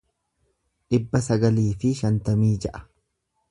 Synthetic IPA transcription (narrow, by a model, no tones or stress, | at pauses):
ᶑɪbːɐsɐɡɐliːfɪʃɐnt̪ɐmiːd͡ʒɛʔɐ̥